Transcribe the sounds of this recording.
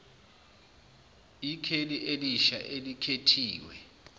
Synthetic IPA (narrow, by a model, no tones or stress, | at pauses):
ikʰeliʔeliʃa̰ʔelikʰetʰiːwɛ̰